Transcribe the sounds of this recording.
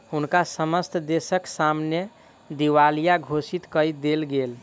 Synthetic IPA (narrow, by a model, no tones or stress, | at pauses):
hunkasəməst̪ʰd̪esəksamne | d̪iʋalijaɡʱosit̪kəjd̪elɡel